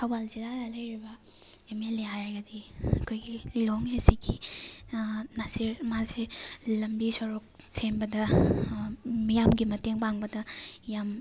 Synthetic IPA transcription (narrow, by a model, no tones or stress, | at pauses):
kʰɐwbalzilalalɐjɾibɐ | emeleɦajɡɐdiɐkʰojɡiloŋhesikʰi | naziɾmazelɐmbisɔɾuk̚ | sembɐdɐ | mijamɡimɐteŋpaŋbɐdɐjam